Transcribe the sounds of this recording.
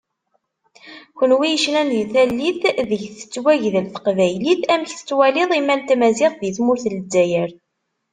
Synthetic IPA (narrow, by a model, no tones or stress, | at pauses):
kʷənwijəʃlænðiθælːiθðəʝθə̥t͡sːwæʝðəlθə̥qvæjliθæmçθə̥t͡sːwæliðˤimælt̪æmæziqðiθmʊɾθələd͡zːæjəɾ